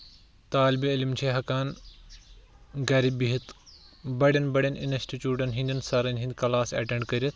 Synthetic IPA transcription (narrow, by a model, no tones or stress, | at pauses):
t̪aːlbiɐlimt͡ʃʰeːɦɐkaːn | ɡɐːɾibiɦit̪bɐɽʲɐnbɐɽʲɐnḭnɐsʈit͡ʃuːʈɐnɦĩnd̪ɐnsɐɾɐnʲɦind̪kɐlaːsɐ̰ʈẽɳɖkɐɾiɐt̪